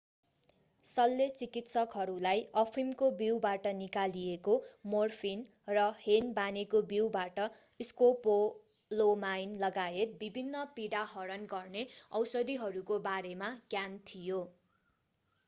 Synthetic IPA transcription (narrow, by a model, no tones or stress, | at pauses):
sʌlːet͡sikit̪sʌkɦʌɾulajʔʌpʰimkobiwbaʈʌnikalijekomorpʰin | rʌhenbanekobiwbaʈʌ | iskopo | lomajnlʌɡaet̪̚bibʱinːʌpiɽaɦʌɾʌnɡʌrneʌwsʌd̪iɦʌɾukobaɾemakjant̪ʰijo